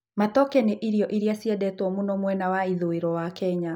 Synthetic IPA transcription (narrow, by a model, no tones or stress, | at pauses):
matɔkɛneʔiɾiɔʔiɾiasiɛdɛtwɔmunɔmwɛnawaiðoeɾɔwakɛɲa